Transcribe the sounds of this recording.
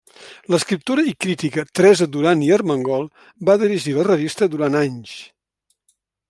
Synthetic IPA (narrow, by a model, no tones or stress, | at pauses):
ləskɾip̚t̪uɾəikɾit̪ikət̪ɾɛzəd̪uɾaniərməŋɡɔlˠ | baðiɾiʒilərəβ̞ist̪əd̪uɾanaɲʃ